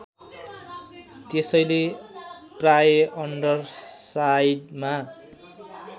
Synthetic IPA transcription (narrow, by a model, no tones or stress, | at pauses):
t̪esʌjle | prajʌʌɳɖʌrsajdma